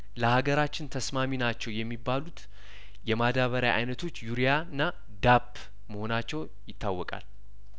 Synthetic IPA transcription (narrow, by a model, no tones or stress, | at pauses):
ləhaɡəɾat͡ʃːɪnt̪ʰəsmaminat͡ʃːɛwjɛmːibːalut̪ | jɛmad̪aβəɾajʔa̰jnət̪ʰo̞t͡ʃːjuɾijanːa | d̪apː | məho̞nat͡ʃːɛw | jɪt̪ːawːɔkʼa̰l